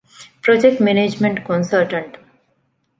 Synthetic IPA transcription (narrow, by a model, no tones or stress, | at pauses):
pɾod͡ʒek̚ʈmened͡ʒmẽɳʈkɔ̃nsəlʈə̃ɳʈ